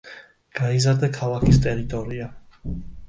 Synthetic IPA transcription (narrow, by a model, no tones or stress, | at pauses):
ɡ̥aizaɾd̪akʰalˠakʰist̪ʼɛɾit̪ʼɔɾia